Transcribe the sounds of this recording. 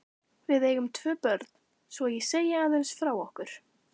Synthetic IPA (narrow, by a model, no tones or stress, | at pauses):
vɪðeːjɣʏmt̪ʰvœːpœɾt̪n̥ | svɔjɛseːjɪaːðensfɾawɔhkʏɾ̥